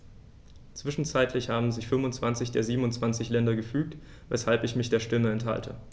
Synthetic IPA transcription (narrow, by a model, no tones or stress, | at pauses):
t͡sv̥ɪʃn̩t͡saɪtʰlɪçhaːbm̩zɪçfʏmʊnt͡sv̥ant͡sɪçd̥eːɐziːbm̩ʊntt͡sv̥ant͡sɪçlɛndɐɡəfyːk̚t | vɛ̰shalpɪçmɪçd̥eːɐʃtɪməɛntha̰ltʰə̰